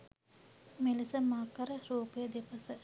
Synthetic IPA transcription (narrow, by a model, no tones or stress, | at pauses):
melisəmaːkɐɾəɾuːpəjəd̪epɐsə